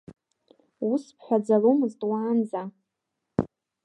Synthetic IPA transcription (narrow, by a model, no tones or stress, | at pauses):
uspʰħʷᶣad͡zalomɨztʼwaːnd͡za